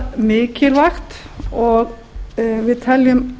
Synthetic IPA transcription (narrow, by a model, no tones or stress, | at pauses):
miːkʰɪlʋɑkt̪ | ʔoːɡ | ʋɪt̪ʰɑljʉm